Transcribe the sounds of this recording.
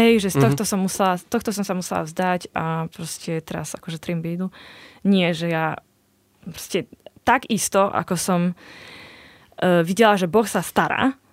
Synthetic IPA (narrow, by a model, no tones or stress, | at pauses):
ɦɛjʒɛst̪ɔxt̪ɔsɔmːusɛlast̪ɔxt̪ɔsɔmsamusɛla̰vzd̪aɟapɾɔscɛt̪ɛɾa̰zakɔʒɛt̪ɾimbiːd̪uɲɪɛʒɛja | pɾɔ̥scɛt̪aɡist̪ɔʔa̰kɔsɔm | ʋiɟɛlaʒɛbɔxsast̪aɾa̰ː